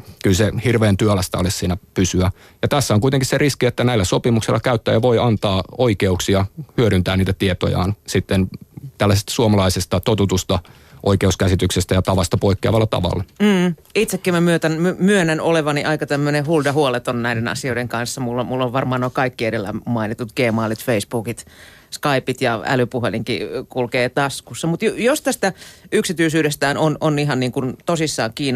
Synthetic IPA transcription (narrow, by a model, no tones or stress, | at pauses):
kylsehirʋeːnt̪yølæst̪æ̰olissiːnæpysyæ | jɑt̪æsːæoŋkuit̪eŋkisseriskiet̪ːænæilːæsopimuksilːɑkæyt̪ːæ̰ːjɑʋo̞iɑnt̪ɑːoikeuksiɑhyøɾynt̪æːnniːt̪æt̪iet̪o̰jɑ̰ːnsit̪ːent̪ælːæsest̪æ̥suomɑlɑisest̪ɑt̪ot̪ut̪ust̪ɑ | ʔoikeuskæsit̪yksest̪æjɑt̪ɑʋɑst̪ɑpoikːeɑʋɑlːɑt̪ɑ̰ʋɑ̰lːɑm̩ːit̪sekːimæmyøt̪ænmymyønːænoleʋɑniʔɑikɑt̪æmːønehuldɑhuolet̪onnæidenɑ̰sioideŋkɑnsːɑmulːomulːoʋʋɑrmɑːnoikɑikːiedelːæ̰mmɑinit̪ːut̪ɡ̥eːmɑːlit̪feisb̥uːkit̪ | skɑipit̪jɑæ̰lypuɦeliŋkḭkulkeːt̪ɑskusːɑmut̪jjost̪æst̪æyksit̪yisyːdest̪æːnononiɦɑnniːŋkunt̪osisːɑːŋkiːn